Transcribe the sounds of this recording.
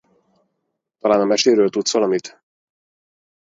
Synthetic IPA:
t̪ɒlaːnɒmɛʃeːɾøːlt̪ut̪svɒlɒmit̪

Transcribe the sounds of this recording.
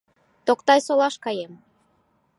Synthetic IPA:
t̪okt̪ɑjsolɑʃkɑjem

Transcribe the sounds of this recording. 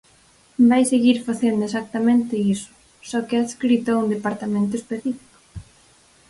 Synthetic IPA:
bajseɣiɾfaθend̪ʊesak̚t̪amẽnt̪ɪisʊ̥ | sɔkeaðskɾit̪aũnd̪epaɾt̪amẽnt̪̬ʊespeθifi̥kʊ̥

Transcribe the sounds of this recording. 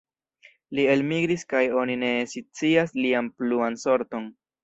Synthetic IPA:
lie̞lmiɡɾiskajo̞nine̞sit͡siaslianpluanso̞ɾto̞n

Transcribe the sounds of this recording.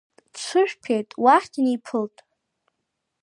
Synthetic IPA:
t͡sʷʰʊʒᶣpʰejtʼwaħʲtʰinipʰɨltʼ

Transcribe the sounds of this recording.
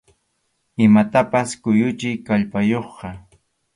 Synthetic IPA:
ɪmat̪apaskʊjʊt͡ʃɪjkaʎpajoχɢɑ

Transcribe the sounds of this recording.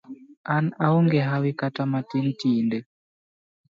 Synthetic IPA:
anauŋɡɛɦawikatamatintindɛ

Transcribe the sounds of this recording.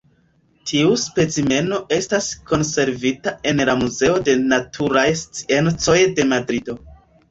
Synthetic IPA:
tʰiuspe̞t͡sime̞no̞ʔe̞stasko̞nse̞ɾvitae̞nlamuze̞o̞de̞natʰuɾajst͡si̥ent͡so̞jde̞madɾido̞

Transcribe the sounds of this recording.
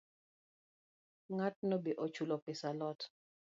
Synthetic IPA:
ŋat̚nɔbeʔot͡ʃulɔpɪsalɔt

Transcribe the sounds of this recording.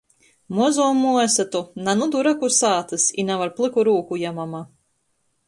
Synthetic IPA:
muzumuɛsat̪unanud̪uɾakusaːt̪ɨsinavaɾplˠɨkuɾuːkujamama

